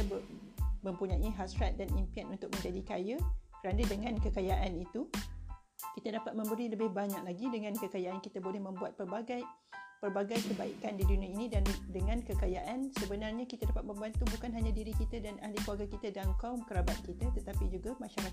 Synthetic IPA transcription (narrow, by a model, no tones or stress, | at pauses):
bmə̃mpuɲãʔiɦasɾat̪̚danimpianunt̪ʊk̚mə̃ɲd͡ʒadikajakəɾanadəŋãnkəkajaʔanit̪u | kit̪adapat̪̚mə̃mbəɾiləbɪhbaɲak̚laɡidəŋãnkəkajaʔankit̪abolɛhmə̃mbuat̪̚pərbaɡa | pərbaɡajkəbaikandiduniainĩandəŋãnkəkajaʔansəbənarɲakit̪adapat̪̚mə̃mbant̪ubukanɦaɲãdiɾikit̪adanahlikluaɡakit̪adaŋkaumkəɾabat̪̚kit̪at̪ət̪apid͡ʒuɡamãʃaɾak